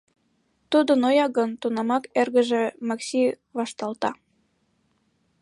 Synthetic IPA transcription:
t̪ud̪ənojɑɣənt̪unɑmɑkerɣə̆ʒĕmɑksʲi | βɑʃt̪ɑlt̪ɑ

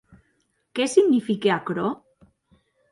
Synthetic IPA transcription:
kesiɣnifikeakɾo

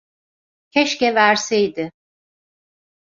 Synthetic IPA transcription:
cʰɛʃcɛvæɾsejd̪ɪ

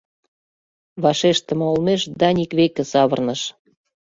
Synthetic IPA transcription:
βɑʃeʃt̪ə̆məolmeʃd̪ɑnʲikβekĕsɑβərnəʃ

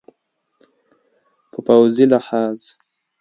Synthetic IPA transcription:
pəpawzilaħaːz

